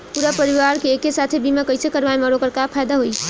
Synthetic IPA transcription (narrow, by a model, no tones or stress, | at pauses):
puɾapəɾiʋaɾkeːkesat̪ʰebimakəjsekəɾʋajməɾokəɾkapʰajd̪aɦoj